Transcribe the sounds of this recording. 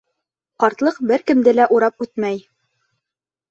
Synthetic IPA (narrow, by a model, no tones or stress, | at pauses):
qɑɾt̪lˠɤqbɘɾkɘ̆md̪ɘlæʔuɾɑp̚ʉt̪mæj